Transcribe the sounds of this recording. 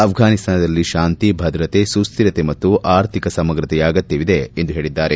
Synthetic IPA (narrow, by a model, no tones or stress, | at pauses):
ɐpʰɡʱaːnist̪ʰaːnɐd̪ɐlːiʃaːnt̪ibʱɐd̪ɾɐt̪esust̪iɾɐt̪emɐt̪ːuʔaːɾt̪ʰikɐsɐmɐɡɾɐt̪ɛjaːɡɐt̪ːiʋid̪eend̪uɦe̞ːɭid̪ːaːɾe